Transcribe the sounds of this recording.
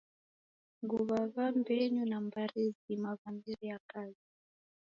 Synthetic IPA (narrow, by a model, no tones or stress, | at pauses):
ŋɡuβaβambɛɲunambaɾizimavambiɾijakazi